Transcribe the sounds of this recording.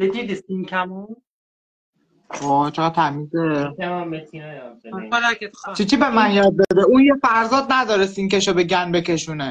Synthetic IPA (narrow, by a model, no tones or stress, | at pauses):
b̥ed̪id̪isinkʰæmo | ɔːt͡ʃʰeɣæd̪̥̚t̪ʰæmiːzekæmaet̪ʰineolaket͡ʃʰit͡ʃʰibemænjɒːd̪̚bed̪euːjefæɾzɒːd̪̚næd̪ɒːɾesinkeʃɒbeɟʲænbekʲʰeʃune